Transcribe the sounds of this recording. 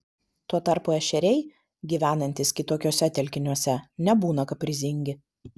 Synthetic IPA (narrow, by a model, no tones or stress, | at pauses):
t̪uɔt̪ɐɾpuːɛʃʲɛɾʲɛɪ | ɡʲiːʋʲæːnɐnʲt̪ʲɪskʲɪt̪oːkʲoːsʲɛt̪ʲɛlʲkʲɪnʲuɔsʲɛnʲɛbuːnɐkɐpʲɾʲɪzʲɪŋʲɡʲɪ